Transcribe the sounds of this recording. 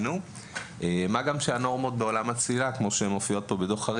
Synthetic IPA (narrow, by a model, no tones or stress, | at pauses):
nu | ʔeːmaɡamʃeano̞ʁmo̞t̪̚be̞o̞lamat͡silakmo̞ʃeemofijo̞t̪̚po̞bed̪o̞χaʁ